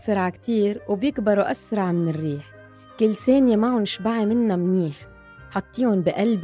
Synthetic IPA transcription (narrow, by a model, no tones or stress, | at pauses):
sɾˤɑʕkt̪iːɾwbjɪkbɑɾˤuʔasɾˤɑʕmɪnɪrːiːħ | kɪlːseːnjemaʕʊnʃbaʕimɪnːamniːħ | ħɑt̪ˤːiːʊnbiʔalb